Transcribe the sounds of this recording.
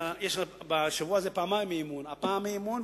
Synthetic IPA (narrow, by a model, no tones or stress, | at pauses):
jeʃabaʃavuaːzepaːmajmeimunapaːmemun